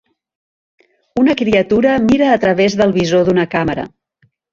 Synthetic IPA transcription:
unəkɾiət̪uɾəmiɾəːt̪ɾəβezðəlˠβizoðunəkaməɾə̰

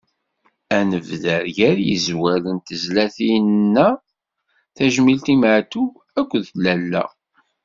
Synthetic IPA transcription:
ænəvðæɾʝæɾjḭzwælənt̪əzlæθinnːæ | θæʒmilt̪imʕt̪u | ækʷːðlælːæ̰

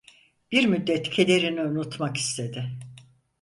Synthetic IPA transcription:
b̥iɾmyd̪ːɛt̪cʰe̞d̪e̞ɾiniunut̪maki̥st̪ʰe̞d̪ɪ

